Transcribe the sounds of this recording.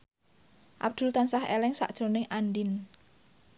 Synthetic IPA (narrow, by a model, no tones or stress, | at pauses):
ʔa̰b̚d̪̥ṳlt̪ansahḛlɛŋsa̰ʔd̥ʒ̥o̤nɪŋʔanɖin